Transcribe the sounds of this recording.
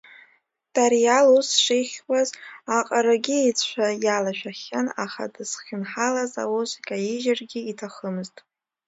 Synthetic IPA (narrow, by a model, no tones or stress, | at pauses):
d̥aɾijalusʂejχʲwazaqʼaɾaɡʲiit͡sʷʰajalaʃᶣaχʲana̰χa̰dɨsχʲɪnħalaza̰wozʷkʲʼajiʒarɡʲɪitʰaχəmɨztʼ